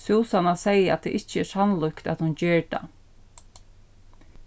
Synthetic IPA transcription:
suːsanasɛjəat̪̚d̪ʰɛ̰ːʔɪht͡ʃəɛsanlʊkt̪a̰t̪hʊnceːɹd̪a̰

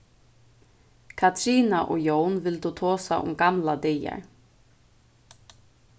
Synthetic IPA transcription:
kʰat̪ʰɾiːnaʔɔɣjoːwnvɪlt̪ut̪ʰɔːsa̰ʔʊ̰mkamlat̪eːja̰ɾ̥

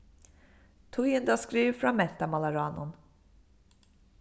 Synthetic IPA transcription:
t̪ʰʊjənd̪askɾiːvfɾɔnmɛt̪ːamalaɾɑːnʊ̰n

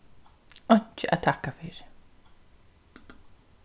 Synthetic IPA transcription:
œɲ̥t͡ʃɪʔa̰ðt̪ʰahkafɪɾ̥

